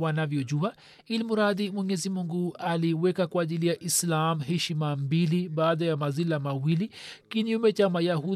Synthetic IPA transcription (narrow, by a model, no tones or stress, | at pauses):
wanavjɔʄua | ilimuɾaðimwɛɲɛzimuŋɡualiwɛkakwaːʄilijaʔislamɦɛʃimambiliɓaːðajamazilamawilikiɲumɛt͡ʃamajahu